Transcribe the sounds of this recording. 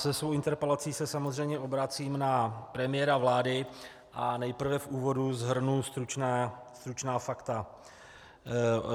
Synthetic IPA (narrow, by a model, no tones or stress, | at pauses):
sɛsvo̞wʔɪnt̪ɛɾpɛlat͡siːsɛsamozr̝ɛjmɲɛʔo̞bɾat͡siːmnapɾɛmɪjɛɾavlaːdɪ | ʔanɛjpr̩vɛfʔuːvo̞duzɦr̩nust̪ɾut͡ʃnɛːst̪ɾut͡ʃnaːfakt̪a